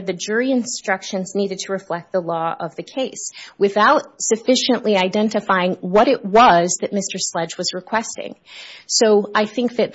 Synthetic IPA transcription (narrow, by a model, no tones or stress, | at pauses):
ðɨd͡ʒʊɹiɨ̃nstɹ̥ʌkʃɨ̃nzniɾɨd̚tʰəɹɨflɛk̚t̪̚ðəlɔʌvðɨkʰeɪswɨθaʊt̚sɨfɪʃɨ̃nʔliaɪdɛ̃ntɨfaɪɪ̃ŋwʌɾɪʔ̚wʌzðɨt̚mɪstə˞slɛd͡ʒwʌzɹɨkʰw̥ɛstɪ̰̃ŋsoʊaɪθɪ̃ŋk̚ðɨt̪̚